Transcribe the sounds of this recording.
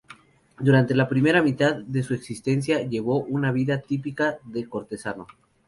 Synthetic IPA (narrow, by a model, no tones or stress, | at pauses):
d̪uɾant̪e̞lapɾime̞ɾamit̪aðːe̞sue̞ksist̪e̞ns̬jaʝe̞β̞o̞ʔunaβiðat̪ipikaðe̞ko̞ɾt̪e̞sano̞